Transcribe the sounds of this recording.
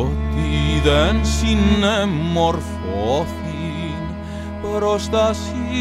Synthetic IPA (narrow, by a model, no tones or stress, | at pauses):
t̪iðɐnsinɐmɔɾfɔfi | n | pɐɾɔʃt̪asi